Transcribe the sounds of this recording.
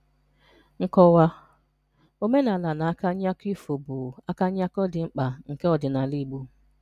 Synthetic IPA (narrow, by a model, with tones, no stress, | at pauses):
ŋ̩˦kɔ˦wa˦ | o˦me˦na˨la˨na˨a˦ka˦ɲ˦a˦ki˦fo˨bʊ˨a˦ka˦ɲ˦a˦kɔ˦dɪ˨ŋ͡m̩˦k͡pa˨ŋ̩˨ke˦ɔ˨dɪ˨na˨li˦ɡ͡bu˦